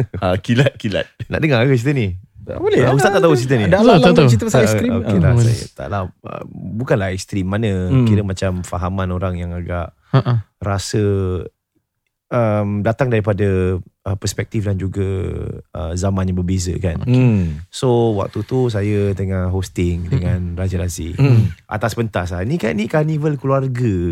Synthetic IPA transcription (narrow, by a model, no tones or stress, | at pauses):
akilat̪̚kila̰t̪̚na̰ʔdəŋakət͡ʃit̪ənḭbolɛust̪att̪aʔt̪aut͡ʃit̪ənidaolot̪ot͡ʃit̪əst̪ɾioelasa̰jə̰t̪a̰ʔlahə̰mbukanlaɛkst̪ɾimːanə̃kiɾəmat͡ʃamfaɦamanoɾaŋjaŋaɡaʔ | aɾasə | əmdat̪aŋdaɾipadəəpəspɛk̚t̪ifdand͡ʒuɡa | ə̰zamãnɲabəbezə̰kan | sowa̰k̚t̪ut̪us̬ajət̪əŋaɦost̪ɪŋdəŋanrad͡ʒəɾasḭʔa̰t̪asbənt̪aslanika̰nĩkanivəlkluarɡə